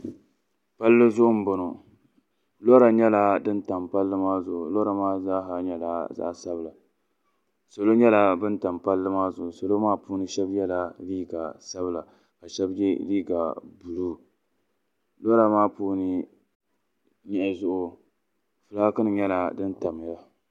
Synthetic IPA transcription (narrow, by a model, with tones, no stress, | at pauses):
pa˦lːɨ˦zʊ˦ʔʊ˦m̩˦bʊ˨nʊ˨ | lo˦ɾa˨ɲɛ˦la˨dɨ˦nta˨mpa˦lːɨ˦maː˦zʊ˨ʔʊ˨lo˦ɾa˨maː˦za˦ɦa˨ɲɛ˨la˦za̰˦ʔsa˦bla˨ | so˨lo˦ɲɛ˦la˨bɨ˦nta˨mpa˦lːɨ˦maː˦zʊ˨ʔʊ˨so˨lo˦maː˦pu˦nɨ˦ʃɛ˦bjɛ˦la˦liː˦ɡa˨sa˦bɨ˦la˨ | ka˨ʃɛ˦bjɛ̰˦liː˦ɡa˨bu˨lu˦ | lo˦ɾa˨maː˦puː˦nɨ˦ | ɲɛ˦ʔzʊ˦ʔʊ˨ | fɨ˨laː˦kɨ˦nɨ˨ɲɛ˦la˨dɨ˦nta˨m˨ja˦